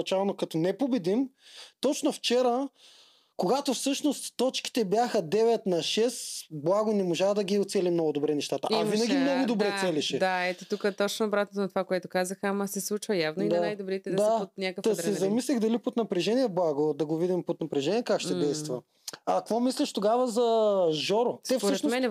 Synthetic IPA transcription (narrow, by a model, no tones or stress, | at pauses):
t͡ʃalˠnokɐt̪ɔnɛpobɛd̪imt̪ɔt͡ʃnoft͡ʃɛɾə | koɡat̪ofsɤʃnost̪t̪ːɔt͡ʃki̥t̪ɛbjaxəd̪ɛvɛt̪nɐʃɛsblˠaɡonɛmoʒaxd̪ɐɡʲiot̪sɛlimnɔɡʊd̪obɾɛnɛʃt̪at̪ə̰ʔɐvinɐɡ̪ʲimnɔɡʊd̪obɾɛsɛliʃɛd̪aɛt̪ɛt̪ukət̪ɔt͡ʃnoːbɾat̪not̪nɐt̪o̥vakoɛt̪ʊkazəxamɐsɛslˠut͡ʃvəjavnoinɐanajd̪obɾit̪ɛd̪ɐd̪saɛot̪nʲakəkd̪ɐsɛzɐmislʲixd̪ɐlipot̪nɐpɾɛʒɛniɛblˠaɡod̪ɐɡovid̪impot̪nɐpɾɛʒɛniɛkakʃt̪ɛd̪ɛjst̪vɐ | ɐkvɔmislʲɛʃt̪oɡavəzɐʒɔɾosɛfspoɾɛʃnmɛnɛ